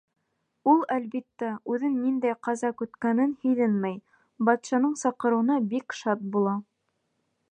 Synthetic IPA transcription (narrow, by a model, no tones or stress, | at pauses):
ulˠælβit̪ːæʉðɘnːind̪æjqɑzɑkɵ̆t̪kænɘnhɘ̆jðɘnmæj | bɑt̪ʃɑnɤɴsɑqɤ̆ɾɤ̆wnɑbikʃɑt̪̚bulˠɑ